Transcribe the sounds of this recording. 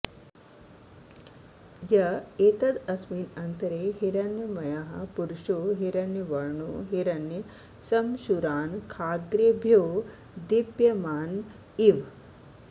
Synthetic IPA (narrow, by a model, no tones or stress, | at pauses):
jɐet̪ɐd̪ɐsmiːnɐnt̪əɾeːɦiɾanːjɐmɐjaɦɐ̰puɾʃoːɦiɾɐnjɐʋɐɾɳoɦiɾɐnji | sɐmʃuɾaːnkʰaːɡɾebʱjoː | d̪ibjɐmaːn | iʋ